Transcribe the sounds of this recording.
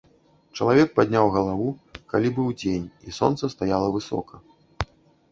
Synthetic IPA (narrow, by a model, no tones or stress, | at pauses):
t͡ʂɐlˠavʲɛk̚pad̪ʲnʲawɣɐlˠavukalʲibɨwd͡zʲenʲisɔ̰nt̪sɐst̪ajalˠɐvɨsɔ̰kʰɐ